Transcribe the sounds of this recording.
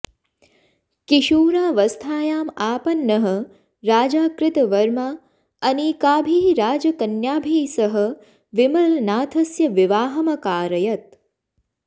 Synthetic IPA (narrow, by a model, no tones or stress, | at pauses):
kiʃuːɾaːʋɐst̪ʰaːjaːmaːpɐnːɐɦɐ̆ | ɾaːd͡ʒaːkɾɪt̪ɐʋɐɾmaː | ɐnikaːbʱiːɾaːd͡ʒɐkɐnjaːbʱiːsɐɦɐ̆ | ʋimɐlnaːt̪ʰɐsjɐʋiʋaːɦɐmɐkaːɾɐjɐt̪̚